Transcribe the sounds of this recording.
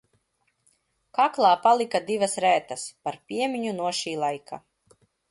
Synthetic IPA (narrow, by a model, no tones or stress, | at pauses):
kaklˠaːpalˠikad̪ivɐsɾæːt̪ɐspaɾpʲiɛmʲiɲunuɔʃiːlˠajkʰa̰